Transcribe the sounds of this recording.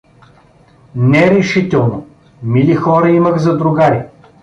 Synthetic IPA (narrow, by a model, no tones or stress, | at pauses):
nɛɾɛʃit̪ɛlˠno | milixɔɾəiməxzɐd̪ɾʊɡaɾi